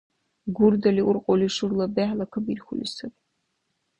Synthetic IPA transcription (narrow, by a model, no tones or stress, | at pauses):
ɡʷʊrdɐliʔurqʼoliʂɨrlɐbeħlɐkʰɨbirxʷʊlʲɪsɨpʼ